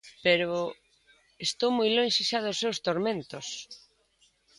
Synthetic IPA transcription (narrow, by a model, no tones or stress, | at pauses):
peɾʊ | est̪owmojlonʃiʃaðʊsːewst̪oɾmẽnt̪ʊs